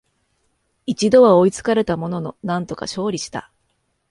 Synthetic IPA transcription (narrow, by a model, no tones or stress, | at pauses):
it͡ɕid̪o̞βao̞it͡sɨ̥kaɾe̞t̪amo̞no̞no̞nãnt̪o̞ka̰ɕo̞ːɾʲiɕi̥t̪a̰